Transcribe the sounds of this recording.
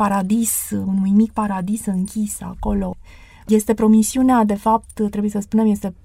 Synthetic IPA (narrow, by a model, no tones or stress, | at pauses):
aɾad̪isunujmik̚paɾad̪isɨŋkʲisa̰ko̞lo̞ | je̞st̪e̞pɾo̞misiunead̪e̞fap̚t̪t̪ɾe̞bujesəspune̞mje̞st̪e̞